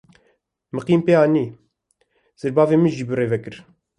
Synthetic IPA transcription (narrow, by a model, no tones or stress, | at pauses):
mɨqiːmpeːɑːniː | z̥ɨɾbɑːveːmɨʒiːbɨreːvɛkɨɾ